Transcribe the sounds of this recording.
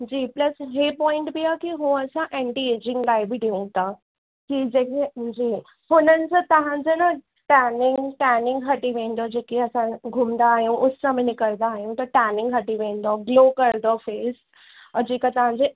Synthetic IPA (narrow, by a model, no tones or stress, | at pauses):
d͡ʑiːpləsɦepɔĩɳʈbʱiakiɦũəsãʔeɳʈied͡ʑiŋɡlajbʱiɖ̪eʋũt̪a | kid͡ʑeked͡ʑiː | fonənt͡sət̪əɦãd͡zəna | ʈanĩŋɡŋɡʈanĩŋɡɦəʈiʋẽnd̪ɔd͡ʑekiəsãɡʱumd̪aːɦiwʔut̪samənikəɾd̪aːɦĩwt̪əʈanĩŋɡɦəʈiʋẽnd̪ɔɡlokəɾd̪ɔfes | əd͡ʑikat̪əɦãd͡ze